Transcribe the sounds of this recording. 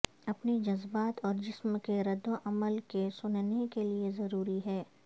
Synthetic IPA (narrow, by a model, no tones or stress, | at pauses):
ɐpnid͡ʒɐzbaːt̪ɔːɾd͡ʒɪsmkeɾɐd̪oʔɐməlkesʊnnekeliezɐɾuːɾiɦɛː